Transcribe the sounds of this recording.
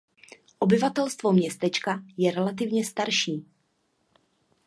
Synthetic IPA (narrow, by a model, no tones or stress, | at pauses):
ʔo̞bɪvat̪ɛlst̪vo̞mɲɛst̪ɛt͡ʃkajɛɾɛlat̪̬ɪvɲɛst̪aɾʃiː